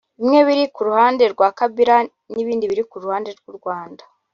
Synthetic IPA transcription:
imŋe̞βiɾikuɾuhaːnde̞ɾɡwaːkabiɾa | niβiːndiβiɾikuɾuhaːnde̞ɾɡuɾɡwaːndḁ

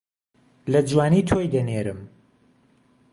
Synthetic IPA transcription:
lɐd͡ʒwaːniːt̪ʰojd̪ɐneɾɨm

